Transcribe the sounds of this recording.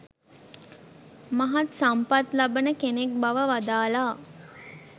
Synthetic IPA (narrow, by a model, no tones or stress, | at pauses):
maɦat̪sampat̪labənəkenek̚baʋəʋad̪aːlaː